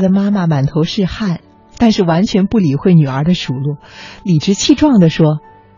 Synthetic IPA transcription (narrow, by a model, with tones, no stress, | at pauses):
d̪ə˩ma˥ma˨ma˨˩nt̪ʰo˧˥ʊʂɻ̩˥˧xa˥˩n | t̪a˥˧nʂɻ̩˥˩wa˧˥nt͡ɕʰɥɛ˧˥npu˥˩li˨˩xwe˥˩ɪny˨˩ə˞˧˥d̪ə˧ʂu˨˩lwɔ˥˩li˨˩ʈ͡ʂɻ̩˥t͡ɕʰi˥˧ʈ͡ʂwɑ˥˩ŋd̪ə˩ʂwɔ˥